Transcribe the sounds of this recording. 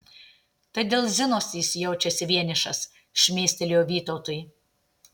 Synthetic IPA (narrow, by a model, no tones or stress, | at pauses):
t̪ɐɪd̪ʲeːlˠzʲɪnoːsʲiːsʲjɛʊt͡ʃʲɛsʲɪʋʲiɛnʲɪʃɐ̰s | ʃʲmʲeːsʲt̪ʲɛlʲjoːʋʲiːt̪ɔʊt̪ʊj